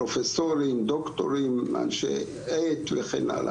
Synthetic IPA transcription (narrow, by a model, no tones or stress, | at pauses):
ofesoɾimd̪okt̪o̰ɾimːa̰nʃḛ | et̪veχḛna̰la̰